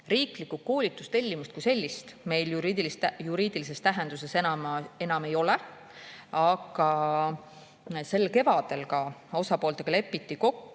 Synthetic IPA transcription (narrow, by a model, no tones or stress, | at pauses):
riːklikːˑuko̞ːlit̪ːˑust̪e̞lʲːimust̪kujse̞lʲːist̪me̞jljuɾid̪ilistæjuɾiːd̪̥ilisest̪æɦe̞nd̪̥use̞senɑmɑe̞nɑme̞jo̞le | ɑɡ̥ɑ | se̞lːke̞vɑd̪̥e̞lkɑo̞sɑpo̞ːlt̪eɡ̥ɑle̞pːˑit̪ːiko̞kːu